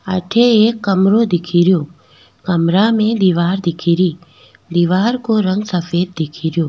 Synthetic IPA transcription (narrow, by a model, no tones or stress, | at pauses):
əʈʰeeːkːəmɾod̪ɪkʰiːɾjoː | kəmɾamẽd̪iʋaːɾd̪ɪkʰiːɾiː | d̪iʋaːɾkoɾə̃ŋɡsəfʰeːd̪̚ːɪkʰiːɾjoː